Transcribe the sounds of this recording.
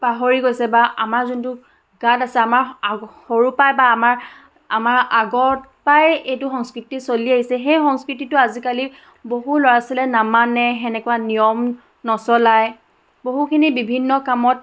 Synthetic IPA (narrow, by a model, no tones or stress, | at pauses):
paɦoɹiɡojsɛbaʔamaɹzuntʊ | ɡ̥adasɛamaɹxoɹupajbaːmaɹ | a̰maɹaɡɔtpajejtʊxɔŋskɹitisoliaɦisɛxejxɔŋskɹititʊazikali | boɦulɔɹasilɛnamanɛɦɛnɛkuwanijɔm | nɔsɔlaj | boɦukʰinibibʱinːɔkamɔt̚